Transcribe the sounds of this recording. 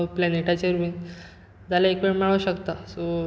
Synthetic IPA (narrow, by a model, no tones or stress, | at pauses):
planeʈat͡ɕeɾmin | d͡zalaekʋeɽmaɭəɕəkt̪aso